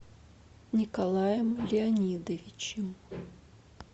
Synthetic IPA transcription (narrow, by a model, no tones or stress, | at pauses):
nʲikalˠajəmlʲɪanʲid̪ɐvʲit͡ɕɪm